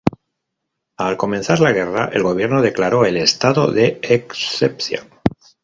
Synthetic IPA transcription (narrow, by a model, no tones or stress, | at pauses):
alko̞menθaɾlaɣ̞e̞ra̰ʔe̞̰lɣo̞β̞je̞ɾno̞ðe̞klaɾo̞e̞le̞st̪aðo̞̰ðeeksepθja̰